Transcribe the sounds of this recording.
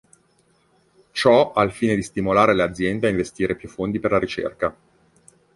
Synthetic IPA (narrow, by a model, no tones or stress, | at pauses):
t͡ʃɔalfiːned̪ist̪imolaːɾelead̪zːjɛnd̪eaiɱvest̪iːɾepjufːond̪iperlaɾit͡ʃḛrka